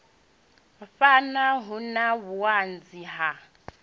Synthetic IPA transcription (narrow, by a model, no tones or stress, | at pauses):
ɸanaɦunaβuand͡ziɦa